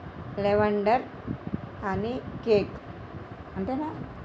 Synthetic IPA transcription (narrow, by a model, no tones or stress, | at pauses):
leʋɐɳɖɐɾ | ɐnikeːk | ɐɳʈena